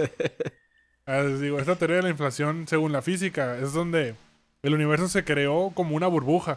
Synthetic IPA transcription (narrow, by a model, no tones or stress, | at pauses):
ad̪iɣo̞e̞s̬t̪at̪eɾeaðelaĩɱflasjo̞nse̞ɣunlafis̬ikae̞zðo̞nd̪e̞ | eluniβ̞e̞ɾs̬o̞se̞kɾe̞o̞ko̞mo̞unaβuɾβuxa